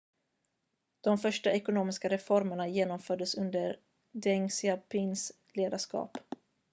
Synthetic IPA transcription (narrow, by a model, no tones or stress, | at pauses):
d̪̥ɔmfœʂʈaɛkʊnoːmɪskaɾɛfɔɾməɳajeːnɔmfœːɖəsɵnd̪əɾ | d̪ɛŋsɪapʰɪns | leːd̪aʂkɑ̰ːp